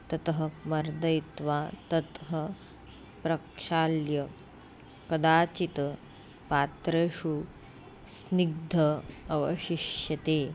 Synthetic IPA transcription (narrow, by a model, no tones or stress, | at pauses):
t̪ɐt̪ɦɐ̆mɐɾd̪ɐjt̪ʋaːt̪ɐt̪ɦɐ | pɾɐkʂaːljɐ | kɐd̪aːt͡ʃit̪ɐ | paːt̪ɾeːʃu | sniɡ̚d̪ʱɐɐʋɐʃiʃjɐt̪eː